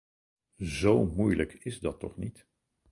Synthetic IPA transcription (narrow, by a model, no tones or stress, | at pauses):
zowmujləkʰɪzdɑtːɔ̰χnit